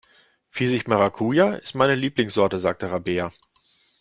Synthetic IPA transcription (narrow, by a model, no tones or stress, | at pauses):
fizɪçmaʁakʰuːjaɪstmaɪnəliːplɪŋsz̥ɔɐtəzaːk̚təʁabeːɐ